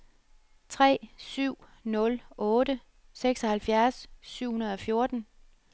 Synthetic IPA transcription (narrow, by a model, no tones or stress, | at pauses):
t͡sʰʁɛ̰ːsyʊ̰nɔ̽lɔ̽ːɾə | seɡ̥sɒ̽hælfjæɐsːyʊ̰hunɐð̞̩ˠɒ̽fjo̝ɐd̥n̩